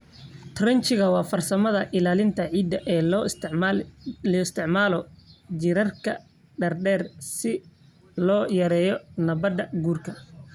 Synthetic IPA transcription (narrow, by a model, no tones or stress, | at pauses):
t̪ʰrɛnt͡ʃɪɣɐwɑːfɐrsɐmɐðɐʔɪlaːlɪnt̪ʰɐʕiːd̪ɐʔɛː | lɔːɪst̪ʰɪʕmaːlɔd͡ʒɪɾɐrkʰɐ̰ | ɖɐrɖɛːrsɪ | lɔːjɐɾɛːjɔnɐβɐd̪ɐɡuːrkʰɐ